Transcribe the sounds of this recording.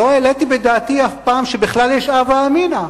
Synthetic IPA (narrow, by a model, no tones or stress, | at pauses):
oelet̪ibed̪aːt̪iafpaːmʃebiχlaljeʃavaːmina